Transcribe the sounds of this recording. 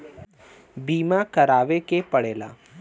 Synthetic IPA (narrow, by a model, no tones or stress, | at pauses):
biːmakɐɾaːʋekepɐɽeːla̰ː